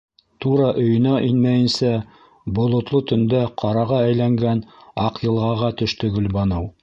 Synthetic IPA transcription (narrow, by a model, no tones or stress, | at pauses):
t̪uɾɑʔɵ̆jɵ̆næʔinmæjɘ̆nsæ | bŏlˠŏt̪lˠot̪ɵ̆nd̪æqʰɑɾɑʁɑæjlæŋɡænɑqjɤ̆lˠʁɑʁɑt̪ɵ̆ʃt̪ɵɡɵ̆lbɑnɤw